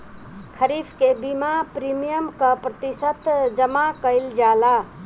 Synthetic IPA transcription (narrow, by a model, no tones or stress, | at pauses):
kʰəɾifʰkebimapɾimijəmkəpɾət̪isət̪d͡ʒəmakəɪld͡ʒala